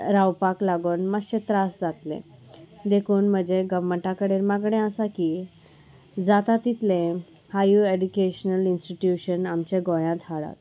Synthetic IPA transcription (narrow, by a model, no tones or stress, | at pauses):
ɾawpaklaɡoːnməɕet̪ɾasd͡zat̪lḛ̃d̪ekʰuːnm̤əd͡ʑeɡəʋməɳʈãkəɽeɾmaɡɽ̃ẽəsaki | d͡zat̪at̪ːit̪lẽ | hajueɖukeɕnəlinsʈiʈjuɕənamt͡ɕeɡõjãt̪ɦaɽa̰t̪